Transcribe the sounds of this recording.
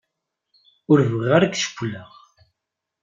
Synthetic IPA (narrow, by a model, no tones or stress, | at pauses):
ʊɾvəʁaɾakʃə̥kʷːləʁ